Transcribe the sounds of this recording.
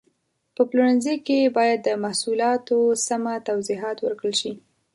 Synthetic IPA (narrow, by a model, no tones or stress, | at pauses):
pəpluɽənzekebɑjad̪ːəmahsulɑt̪osamat̪awziɦɑt̪wəɾkɽəlʃi